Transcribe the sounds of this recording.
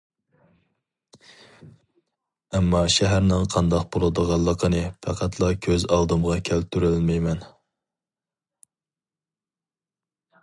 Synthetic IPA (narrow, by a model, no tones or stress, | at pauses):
ɛmːɑʃæɦæɾnɪŋqʰɑnd̪ɑq̚bolˠɨd̪əʁɑlˠːəqʰənɨpʰæqʰæt̪ʰlˠɑkʲʰøzɑlˠd̪ɨmʁɑkʲʰælt̪yɾylmɛjmɛn